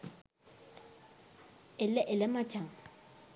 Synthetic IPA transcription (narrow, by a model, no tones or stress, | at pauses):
ɪlɛʔɪlɪmat͡ʃʼaŋ̩